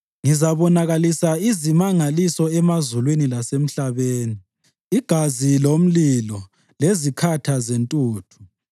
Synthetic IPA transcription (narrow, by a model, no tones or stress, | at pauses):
ŋizaβɔnaɣalisaizimaŋalisɔɛmazulwinilasem̩ɬaβeːni | iɡ̥ʱazilom̩lilɔ | lezikʰatʰazentʼuːtʰu̥